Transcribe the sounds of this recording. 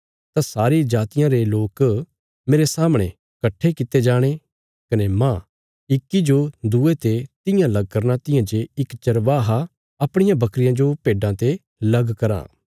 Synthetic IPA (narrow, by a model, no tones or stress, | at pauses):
t̪ãsaːɾid͡ʒaːt̪ɪjãɾeloːk | meːɾesaːmɽ̃ḛ̃ | kɐʈʰːekɪt̪ed͡ʒaːɽ̃e | kɐnemã | ɪkːid͡ʒod̪uet̪et̪ɪjãlɐɡ̚kɐɾnat̪ɪjãd͡ʒeɪkt͡ʃɐɾʋaːɦa | ɐpɽ̃ɪjãbɐkɾɪjãd͡ʒopeːɖãt̪e | lɐɡkɐɾã̰ː